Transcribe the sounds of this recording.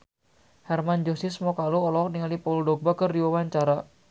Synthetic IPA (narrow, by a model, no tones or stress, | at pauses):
hɛrmand͡ʒosismɔkaluɔlɔɔk̚niŋalipɔldobakərdiwawaɲt͡ʃaɾa